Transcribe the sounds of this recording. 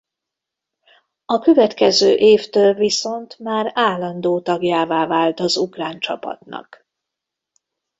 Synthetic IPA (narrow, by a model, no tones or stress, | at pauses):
ɒkøvɛt̪kɛzøːʔeːft̪øːlviso̞nt̪maːɾaːlːɒnd̪oːt̪ɒɡjaːvaːvaːlt̪ɒzukraːnt͡ʃɒpɒ̰t̪nɒ̰k